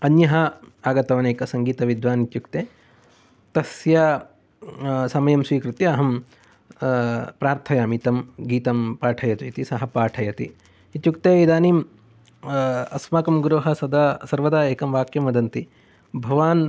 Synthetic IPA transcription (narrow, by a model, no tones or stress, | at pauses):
ɐnjɐɦɐaːɡɐt̪ɐʋɐneːkɐsɐŋɡiːt̪ɐʋid̪ʋaːnit̪jukt̪eː | t̪ɐsjɐ | sɐmɐjɐmsʋiːkɾut̪jiɐɦɐm | pɾaːɾt̪ʰɐjaːmit̪ɐmɡiːt̪ɐmpaːʈʰɐjɐt̪uit̪isɐɦɐpaːʈʰɐjɐt̪ḭ | it̪jukt̪eːid̪aːniːm | ɐsmaːkɐmɡɾuɦɐsɐd̪ɐsɐɾʋɐd̪aːeːkɐmʋaːkjɐmɐd̪ɐnt̪i | bʱɐʋaːn